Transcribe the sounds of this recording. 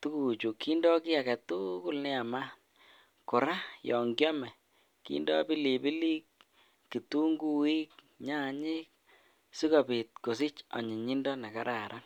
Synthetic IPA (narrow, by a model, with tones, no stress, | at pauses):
tu˦ku˨t͡ʃu˨kːi˦ndɔ˦ki˦a˨kɛ˨tu˦ku˦lnɪ˦a˨ma˦ | kʊ˨ɾa˦jɔ˨ŋɡjɔ˦mɛ˨ | kḭ˦ndɔ̰˦pi˦li˨bi˦li˦kː | i˨tu˦ŋɡu˦wi˦k̚ | ɲa˦˨ɲɪ˦k | si˦ko˨pi˨t̚ko˨s̬i˦t͡ʃɔ̰˨ɲɪ˨ɲi˦ndɔ˦na˨ka˦ɾa˨ɾʔa˦